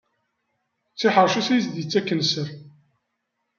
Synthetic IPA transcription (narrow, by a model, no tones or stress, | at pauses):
t͡sːiħəɾˤʃusæjəsd̪jit͡sːækːənsəɾ